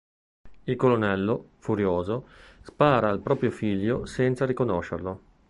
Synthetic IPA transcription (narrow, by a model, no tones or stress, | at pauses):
ilkolonɛlːofuɾjoːzospaːɾaːlpɾɔːpɾjofiʎːosɛnt̪saɾikonoʃːḛrlo